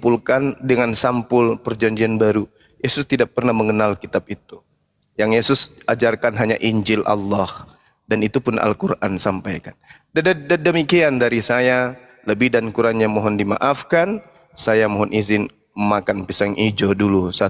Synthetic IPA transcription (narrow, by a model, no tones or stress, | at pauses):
pulkandəŋansampʊlpərd͡ʒaɲd͡ʒianbaɾu | jesʊst̪idaʔ̚pərnaməŋənalkit̪ap̚it̪u | jaŋjesʊsad͡ʒarkanɦaɲa̰ʔiɲd͡ʒɪlʔa̰lːɔh | danit̪upʊnʔa̰lkurʔa̰nsampajkanddddəmikiandaɾisaja | ləbɪhdankuɾanɲamɔɦɔndima̰ʔafkan | sajamɔɦɔnʔizɪn | məmakanpisaŋʔid͡ʒodulusa